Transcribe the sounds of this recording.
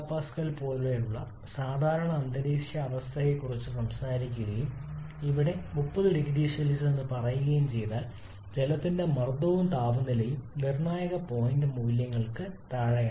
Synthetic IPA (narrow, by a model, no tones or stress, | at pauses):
pːaːskɐlpoːɭʋejuɭːɐ | saːd̪ʱaːɾɐɳɐːnd̪ɐɽiːʂjɐːʋɐst̪ʰɐjekːurit͡ɕːɨsɐmsaːɾikʲːuɣɐjum | iʋiɽe̞mupːɐðɨɖiɣiɖiːʂɐlisenːɨpɐrɐjuɣɐjumt͡ɕe̞jt̪aːl | d͡ʑelɐt̪ːinde̞mɐrd̪oʋumt̪aːʋɐnːilejumnirɳaːjɐɣɐpo̞ːjndɨmuʋiljɐŋːɐɭkɨt̪ɐɻɐja